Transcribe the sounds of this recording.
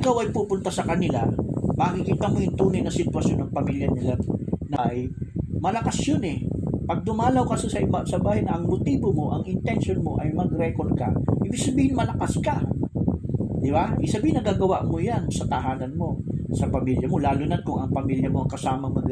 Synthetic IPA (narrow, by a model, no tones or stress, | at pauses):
ɪkawɐjpuːpʊnt̪asɐkɐnɪla̰mɐŋikiːt̪ɐmojʊnt̪uːnɐjnɐsɪt̪wɐsjonːɐŋpɐmiljɐnɐlannɐʔjmɐlɐkɐsjonɛpɐɡ̚d̪ʊmaːlɐwkɐsɛsɐʔɪbasɐbaːhajnɐʔɐŋmot̪iːbomo̞ʔɐŋɪnt̪ɛnʃjonmoʔɐjmɐɡɾɛkoɾd̪kɐ̰ʔɪbɪɡ̥̚sɐbiːhɪnmɐlɐkaskɐ | d̪ɪbaʔɪɡsɐbiːhɪnɐɡaːɡɐwa̰ʔmojansɐt̪ɐɦaːnɐnmo̞sɐpɐmiljɐmo̞laːlunɐn̚kʊŋɐŋpɐmiljɐmoɐŋkɐsaːmɐŋmɐɡ